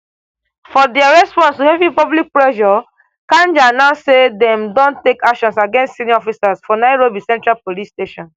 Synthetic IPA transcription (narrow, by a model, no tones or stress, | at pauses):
fɔdɛaɹɛspɔ̃nstuhɛvipɔblik̚pɹɛʃɔ | kãnd͡ʒanaʊsedɛ̃mdõntekakʃɔ̃nsaɡɛ̃nstsiniɔfisasfɔnaɪɹobisɛ̃ntɹalpolisteʃɔ̃n